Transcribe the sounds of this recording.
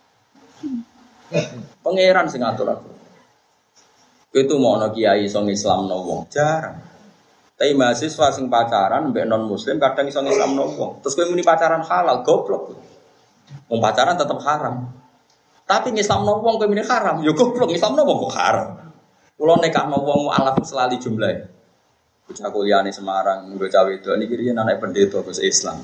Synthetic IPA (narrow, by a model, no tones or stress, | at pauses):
pəŋeɾansɪŋat̪ʊɾa̰t̪u | kit̪umɔɔnɔkijaiːsɔŋisla̰mnɔ̰wɔ̰ŋ̥d͡ʒ̥aɾa̰n | t̪aimasiswasɪŋpat͡ʃaɾanmbɛʔnɔnmuslɪmkaɖ̥aŋisɔŋisla̰mnɔwɔ̰ŋt̪ɾʊskuwiminipat͡ʃaɾanxalalɡ̥ɔplɔk̚ | wɔŋpat͡ʃaɾant̪ət̪əp̚haɾam | t̪apiŋislamnɔwɔŋkowimunihaɾamjoɡ̥ɔplʊk̚ŋislamnɔwɔŋkɔʔha̰ɾa̰m | kulɔnekahnɔwɔŋʔa̰lafnsəlalid̥ʒ̥ṳmlae | ɡ̥ut͡ʃakulianesəmaɾaŋŋɡot͡ʃawid̪̥ɔ̤ʔnikiɾijənanaipənd̪et̪ɔɡ̥ʊsisla̰m